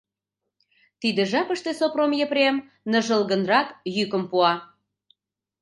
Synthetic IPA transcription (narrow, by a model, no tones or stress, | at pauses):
t̪id̪ĕʒɑpəʃt̪esopromjəpɾʲem | nə̆ʒə̆lɣə̆nrɑkjykəmpuɑ